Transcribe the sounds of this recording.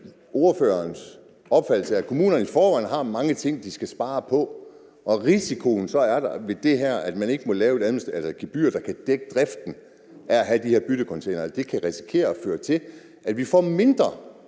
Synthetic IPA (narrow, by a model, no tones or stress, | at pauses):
ʔo̝ɐfø̰ːɐns | ɒ̽b̥fæd̥l̩səækʰo̝mṵːnɐnəifɒːʋænɦɑ̈mɑ̈ŋət͡sʰe̝ŋ̰d̥isɡ̥æsb̥ɑ̈ːpʰɒ̽ | ʔɒ̽ʁisikʰo̝nsɒ̽æɐd̥ɑʋe̝d̥e̝ɦæɐ̰æd̥mæne̝ɡ̥əmɒ̽lɛːʊe̝ɾænm̩sd̥ælsɐɡ̥ib̥y̰ːɐd̥ɑ̈kʰæd̥eɡ̥əd̥ʁɛfd̥n̩ | ʔææɦæd̥iheɐb̥yd̥əkʰɒ̽nt͡sʰeɪnɐæd̥e̝kʰæʁisi̥kʰe̝̰ːɐɒføːɐt͡sʰe̝l | ʔæd̥ʋifɒ̰ːme̝nd̥ʁɐ